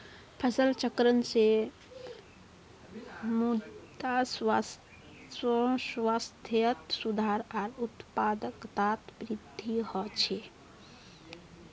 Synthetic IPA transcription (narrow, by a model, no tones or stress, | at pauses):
pʰəsəlt͡ʃəkɾənse | mud̪as | sswast̪ʰjət̪sud̪ʱaɾaɾut̪pad̪əkt̪at̪bɾid̪ʱːihɔt͡ʃʰe